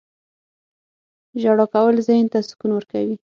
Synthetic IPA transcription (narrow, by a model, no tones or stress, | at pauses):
ʒaɽɑkawəlzɑjnt̪asʊ̥kunwəɾkawi